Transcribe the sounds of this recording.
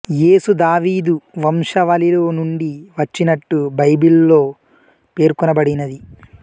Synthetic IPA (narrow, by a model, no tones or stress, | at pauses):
jeːsud̪aːʋiːd̪uʋɐmʂɐʋɐliloːnuɳɖiʋɐt͡ʃːinɐʈːubɐjbillo̞ː | pe̞ːɾkɔnɐbɐɽinɐd̪i